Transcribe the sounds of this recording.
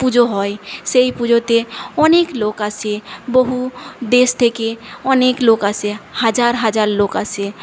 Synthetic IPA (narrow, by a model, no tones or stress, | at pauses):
pud͡ʒoɦɔeseipud͡ʒot̪eɔneːkloːkãsebəɦud̪eːst̪ʰekeɔnekloːkãsehəd͡ʒaːɾɦəd͡ʒaːɾloːkãse